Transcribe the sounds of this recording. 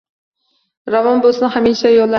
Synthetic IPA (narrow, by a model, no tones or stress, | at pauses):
ɾavɒnbolˠsɪnhamiʃajɒlˠːa